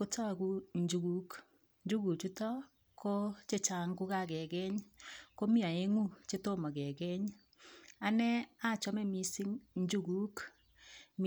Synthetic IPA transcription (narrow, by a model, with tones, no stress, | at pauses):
ko˦tʰɔ˦˨ku˦ɲd͡ʒu˨ɣu˦k | ɲd͡ʒu˦ɣu˨t͡ʃu˦tɔ˦ | kʰo˦t͡ʃe˦t͡ʃa˨ŋɡu˦ka˦kɛ˨ɣɛ˦ɲko˦mi˦a˨e˦ŋu˦t͡ʃe˦to˦mɔ˨kɛ˨ɣɛ˦ɲ | a˦nɛ˦a˦˨t͡ʃɔ˦mɛ˦mi˦si˦ŋɲd͡ʒu˦ɣu˦k | m